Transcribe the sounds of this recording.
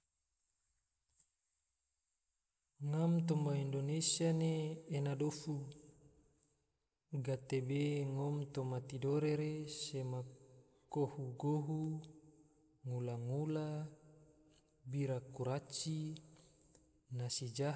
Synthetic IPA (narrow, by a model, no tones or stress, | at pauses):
ŋamt̪ombaindonesianeːnadofu | ɡat̪ebeŋomt̪omat̪idoɾeɾesema | kohuɡoɦu | ŋulaŋula | biɾakuɾat͡ʃi | nasid͡ʒa